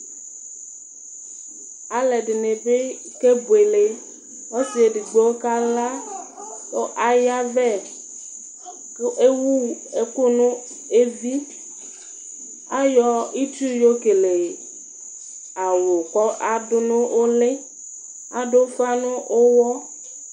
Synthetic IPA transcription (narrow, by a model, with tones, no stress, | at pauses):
a˨le˨ɖɪ˨ne˨be˦ | ke˦be˨le˦ | wɔ˦si˨e˨ɖi˨ɡ͡bo˨˦o˦ka˦la˦ | o˦ʔa˦ja˦vɛ˦˨˦ | ʔe˦wu˦ | e˦ko˦nũ˦ | e˦vi˦ | a˦jɔ˦i˦t͡ʃu˦jo˦ke˨le˨ | a˨wo˨kɔ˦ʔa˨dʊ˦nʊ̃˦ʔo˦le˦ | a̰˨do˦fa˦nũ˦ʔo˦wɔ˦